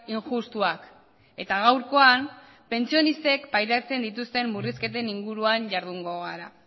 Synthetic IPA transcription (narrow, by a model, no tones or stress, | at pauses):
iŋʝust̪uak | e̞t̪aɣ̞awɾko̞am | pe̞nt͡sio̞nist̪e̞kpajɾat͡se̞nd̪it̪̬ust̪e̞mːuriske̞t̪e̞niŋɡuɾuaɲʝaɾðuŋɡo̞ɣaɾa